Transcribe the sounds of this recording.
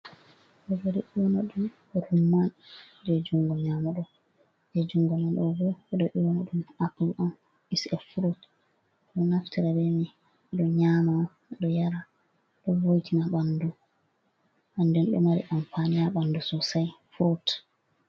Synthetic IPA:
ɗɔbɔɾɛɗiwɔnaɗum | ɾumːan | dɛd͡ʒuŋɡɔɲamaɗɔ | d͡ʒɛd͡ʒuŋɡɔmanɗɔbɔɛɗɔʔiwɔnaɗumaplʔam | isɛfuɾot | ɗɔnaftiɾabɛmi | ɗɔɲama | ɗɔjaɾa | ɗɔvojtʰinaɓandu | ʔandɛnɗɔ̰maɾḭʔampanijaɓandusɔsajfuɾot

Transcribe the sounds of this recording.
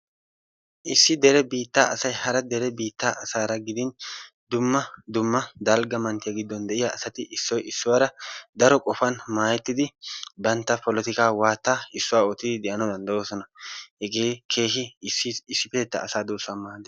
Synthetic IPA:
ʔɪsːɪd̪ɛɾɛbiːt̪ːaːʔɐsɐjhɐɾɐd̪ɛɾɛbiːt̪ːaːʔɐsaːɾɐɡɪd̪ɪn | d̪ʊmːɐd̪ʊmːɐd̪alɡɐmɐnt̪ɪjaɡɪd̪ːɔnd̪ɛʔɪjaɐsɐt̪ɪʔɪsːɔjɪsːʊwaːɾɐd̪ɐɾɔkʼɔfɐnmaːjɛt̪ːɪd̪ɪbɐnt̪ːɐpɔlɛt̪ɪkaːwaːt̪ːaːɪsːʊwaːɔt̪ːɪd̪ɪd̪ɛʔɐnɔd̪ɐnd̪ɐwoːsɔnɐhɛɡeːkʰe̞ːɦɪsːɪɪsːɪpeːt̪ːɐ̰ːsaːd̪uːsʊaːmaːd̪ɛ

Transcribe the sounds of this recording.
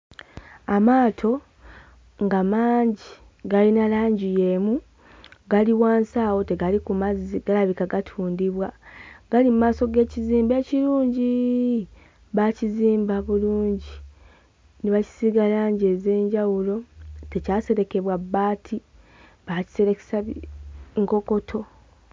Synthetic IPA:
amaːtʰo̞ | ŋɡamaːɲɟi | ɡalinalaːɲɟije̞mu | ɡaliwaːnsaːwo̞te̞ɡalikumaziɡ̥alaβikaɡatʰuːndiβwaɡ̥alimumaːso̞ɡe̞ːciziːmbe̞ːciɾuːɲɟi | βaciziːmbaβuluːɲɟi | niβaci̥siɡalaːɲɟe̞ze̞ːɲɟawulo̞te̞caːse̞ɾe̞ke̞βwabːaːtʰi | βaci̥se̞ɾeke̥sa | ŋko̞ko̞tʰo̞

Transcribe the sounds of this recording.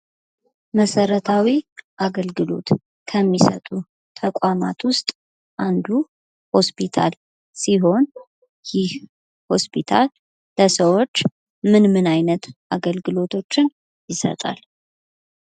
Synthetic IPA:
məsəɾət̪ʰawiʔaɡəlɡɨlo̞̰t̪ | kʰəmːisə̰t̪ʼu | t̪ʰəkʷʼama̰t̪wʊst̪ʼ | ʔand̪u | ho̞spʰit̪ʰa̰l | siɦo̞n | jɪh | ho̞spʰit̪ʰa̰lː | əsəwo̞t͡ʃː | mɨnmɨnajnət̪ʔaɡəlɡɨlo̞t̪ʰo̞t͡ʃːɪn | jɪsə̰t̪ʼa̰l

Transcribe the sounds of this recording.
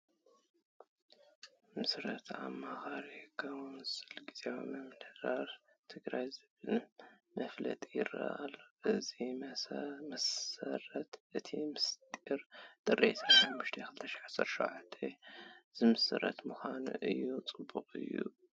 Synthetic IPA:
mɨsɾɐt̪ʰʕa̰mːaxaɾikʰɐwnzɨlɡizew̰mɐmdɐɾaɾ | t̪ʰɨɡɾajzɨβɨlmɐflɐ̰t̪ʼijɪrɐ̰ʔalːoʔɨzi | mɐsɐɾɐt̪ʔɨt̪ʰimɨst̪ʼiɾt̪ʼɨrʔet̪ʰananbɨʃt̪ʰekʰɨlt̪ʰɐʃʕasɐɾʃo̰ʕat̪ʰːez̥ɨmɨsɨɾɐ̰t̪mɨxʷanṵʔɨjːut͡sʼɨbːuqʼɨ̰jːṵ

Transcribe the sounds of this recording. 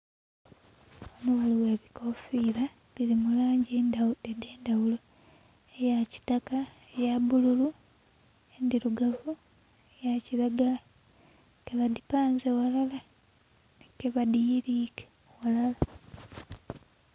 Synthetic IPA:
onuwaliwe̞ːβikofiːɾa | βiɾimulaːɲɟendadede̞ːndawulo | ejaci̥taka | ejabululu | endiɾuɡavu | ejaciɾaɡa | keβadipaːnzewalala | nekeβadijiɾiːke̥ | walala

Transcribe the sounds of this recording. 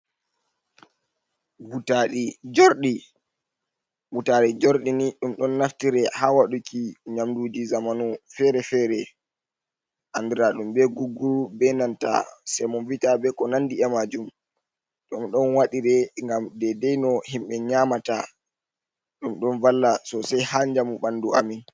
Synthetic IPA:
vutaɗid͡ʒoɾɗi | mutaɾɛd͡ʒɔɾɗiniɗumɗɔnːaftiɾɛhaːwaɗukiɲamdud͡ʒizamanufɛɾɛfɛːɾɛ | ʔandiɾaɗumɓɛɡuɡːuɾubɛnanta̰sɛmɔnvitabɛkɔnandiɛmad͡ʒum | ɗumɗɔnwaɗiɾɛŋɡamdɛdɛjnɔhimɓɛɲaːmata̰ | ɗumɗɔnvalːasɔsajhaɲd͡ʒamuɓanduamin

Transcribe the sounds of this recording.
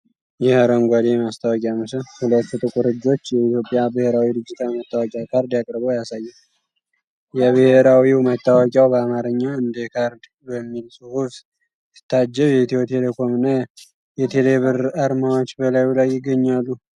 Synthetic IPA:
jɛhəɾəŋɡʷad̪ejmast̪ʰawɔkʼjamɨsəhulət̪ːut̪ʼɨkʼuɾɨd͡ʒːo̞t͡ʃːjɛit̪jo̞pʼːjabɨheɾawid̪ɨd͡ʒːɨt̪ʰawjɛmət̪ːawɔkʼjakʰaɾd̪jakʼɾbojasajːɛ | jɛβɨheɾawiwmət̪ːawɔkʼawbəamaɾɨɲːaɨnd̪ekʰaɾd̪ | bəmːilsuhuβs | sɨ̥t̪ʰːad͡ʒːɛβjɛt̪ʰiwot̪ʰe̞lekʰo̞mɨnːa | jɛt̪ʰeleβɨɾaɾmawot͡ʃːbəlajulajːɪɡːəɲːalːu

